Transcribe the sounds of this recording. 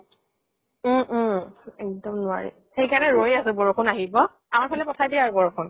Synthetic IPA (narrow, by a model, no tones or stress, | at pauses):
ɛk̚dɔmnʊa̰ɹḭ | xejkanɛɹojasʊbɔɹɔkʰʊnaɦibɔ | amaɹpʰalɛpɔtʰajdiaaɹubɔɹɔkʰɔn